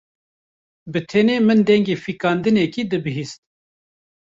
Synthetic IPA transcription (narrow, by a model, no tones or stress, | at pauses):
bɨt̪ʰɛneːmɨnd̪ɛŋɡeːfikɑːnd̪ɨnɛkiːd̪ɨbɨɦist̪̚